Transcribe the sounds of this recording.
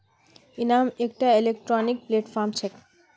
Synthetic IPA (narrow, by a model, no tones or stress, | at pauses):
inaːmek̚ʈailekʈɾɔnik̚pleʈfʰaɾmt͡ʃʰek